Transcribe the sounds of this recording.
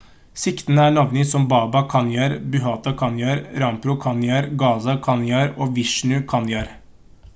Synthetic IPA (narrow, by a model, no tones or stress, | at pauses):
sɪkt̪ənəæːɳɑʋnɪsɔmbɑːbɑkʰɑnjɑːɾbʉɦɑːt̪ɑkʰɑnjɑɾɾɑmpɾʊkʰɑnjɑɾɡɑːsɑkʰɑnjɑːɾoːʋɪʂnʉkʰɑnjɑɾ